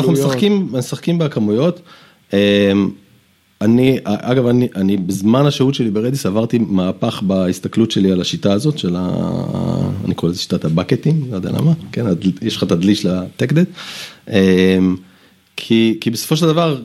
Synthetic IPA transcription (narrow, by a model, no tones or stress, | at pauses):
naχnumesaχkimesaχkimbekamujo̞t | em | aniʔaʔaɡavaniʔanibezmanhaʃeutʃe̞libeʁed̪isavaʁt̪imaːpaχbaist̪aklutʃelialaʃitaːzo̞tʃela̰ | nikoelezeʃi̥t̪at̪abaket̪iŋɡlojdḛja̰la̰makenadjeʃlχat̪ad̪liʃlat̪ekd̪et̪em | kʰikibesofo̞ʃ̬eld̪avaʁ